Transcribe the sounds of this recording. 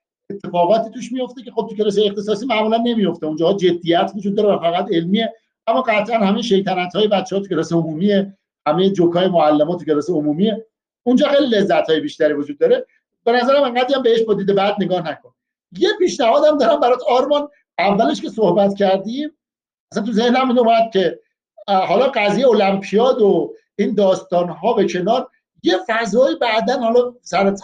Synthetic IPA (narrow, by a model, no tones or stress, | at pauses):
e̞t̪ʰːe̞fɒːɣɒːt̪ʰiːt̪ʰuːʃmijo̞ft̪e̞cʲʰe̞xob̚t̪ʰucʰelɒs̬ejext̪esɒːsiːmæʔmulænːe̞mijo̞ft̪eund͡ʒɒːhɒːd͡ʒe̞d̪ːijæt̪ʰvod͡ʒud̪ːɒːɾevæfæɣæt̪e̞lmiːe̞ | æmːɒːɢæt̪ʰʔænhæmejeʃe̞jt̪ʰænæt̪hɒːjebæt̪t͡ʃʰːeɒːt̪ʰu̥kcʰelɒseomuːmiːe̞ | hæmejed͡ʒokʰɒːjemoælːemɒːt̪ʰucʰe̞lɒseomumie̞ | und͡ʒɒːxejlile̞zːæt̪hɒːjebiːʃt̪æɾivod͡ʒuːd̪ːɒːɾe̞ | be̞næzæɾæmeŋɢæd̪ɾijæmbeeʃbɒd̪iːd̪e̞bæd̪̚ne̞ɡɒːhnækʰon | je̞piːʃnæhɒːd̪æmd̪ɒːɾæmbæɾɒt̪ʰɒɾmɒn | ævːæleʃke̞sohbæt̪cʰæɾd̪iːm | æsænt̪ʰuze̞hnæmiːnumæd̪̚cʰe̞ | ɦɒːlɒɢæzjejeolæmpʰijɒːd̪o | iːnd̪ɒːst̪ɒːnɦɒːvæcʰe̞nɒːɾ | je̞fæzɒːjibæʔd̪ænhɒlɒsæɾt̪ʰ